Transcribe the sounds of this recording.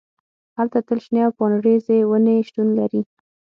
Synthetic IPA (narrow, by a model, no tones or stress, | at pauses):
halt̪at̪əlʃneawpɑnɽezewəneʃʈ̪unlaɾi